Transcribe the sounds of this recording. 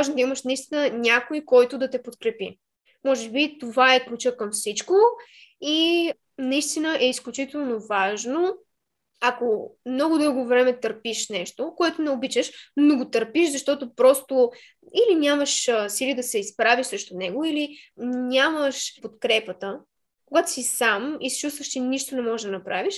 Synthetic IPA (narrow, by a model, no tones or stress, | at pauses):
ʒnd̪əiməʃnɐist̪inənʲakojkɔjt̪ʊd̪ɐt̪ɛpot̪kɾɛpḭ | mɔʒɛbit̪ovaɛklut͡ʃəkɐmfsit͡ʃko | i | nɐist̪inəʔɛisklʲut͡ʃit̪ɛlˠnovaʒno | akomnɔɡʊd̪ɤlˠɡovɾɛmɛt̪əɾpiʃnɛʃt̪okoɛt̪oʊnɛobit͡ʃəʃnoɡot̪əɾpiʃzɐʃt̪ɔt̪opɾɔst̪o | ilinʲaməʃsilid̪ɐsɛispɾaviʃsɾɛʃt̪ʊnɛɡoilinʲaməʃpot̪kɾɛpət̪ə | koɡat̪ʊ̥sisamisi̥t͡ʃust̪vəʃt͡ʃɛniʃt̪onɛmɔʒɛʒd̪ɐnɐpɾaviʃ